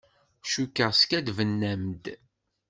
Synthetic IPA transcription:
ʃukːəʁskæd̪vənːæmd̪

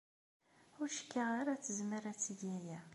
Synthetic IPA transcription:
ʊɾʃə̥kːaʁaɾat͡sːəzməɾæt͡sːəʝæjæ

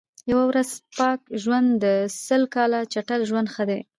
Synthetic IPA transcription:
jawawɾazpɑkʒwand̪ːəsəlkɑlat͡ʃaʈəlʒwand̪xəd̪e

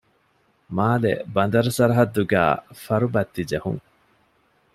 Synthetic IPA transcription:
maːlḛbɐnd̪ɐɾɐsɐɾɐɦɐd̪ːuɡæ̰ːfɐɾubɐt̪ːid͡ʒehṵŋ

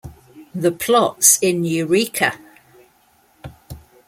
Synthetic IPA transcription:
ðəpʰl̥ɒtsɪ̃njəɹiˑkʰə

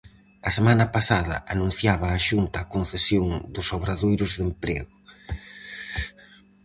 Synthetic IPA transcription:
ɐsemanɐpasaðɐ̰ʔanũn̟θjaβɐːʃunt̪ɐːkonθesjoŋd̪ʊsoβɾaðojɾʊzðempɾɛ̰ɣʊ

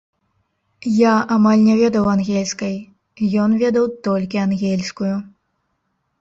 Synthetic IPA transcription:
jaamalʲnʲɛvʲɛd̪ɐwanɣʲɛlʲskɐj | jɔnvʲɛd̪ɐwt̪ɔlʲkʲianɣʲɛlʲsʲkuju

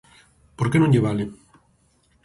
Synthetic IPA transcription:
poɾkenõŋʎeβalɪ

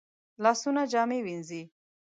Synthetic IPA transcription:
lɑsunad͡ʒɑmewinzi

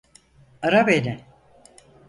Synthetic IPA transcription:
aɾabenʲɪ

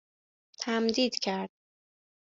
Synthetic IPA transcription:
t̪ʰæmd̪iːd̪cʰæɾd̪̥̚

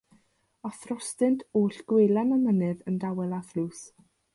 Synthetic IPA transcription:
ɔθrɔstɨntʰuːɬɡ̥wejlˠanamənɨðəndawɛlˠaθluːs

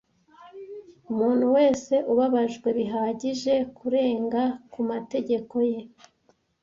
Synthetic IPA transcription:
umuːnhuwe̞ːse̞ʔuβaβaʒɡwe̞βiɦaːɟiʒe̞kʰuɾe̞ːŋɡakumate̞ɟe̞ko̞je̞

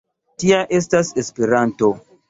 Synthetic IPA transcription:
tiaʔe̞s̬tase̞spe̞ɾanto̞

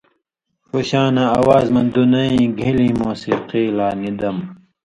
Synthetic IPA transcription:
puɕaːnɐɐwaːzmɐ̃nd̪unɐĩɡʱilĩːmoːsiqiːlaːnid̪ɐm

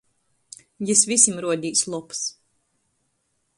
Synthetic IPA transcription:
jisvisʲimɾuɔd̪ʲiːslˠups

